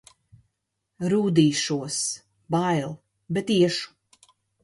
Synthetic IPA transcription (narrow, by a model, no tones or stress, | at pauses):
ɾuːd̪iːʃuɔs | bajlˠ | bet̪iɛʃu̥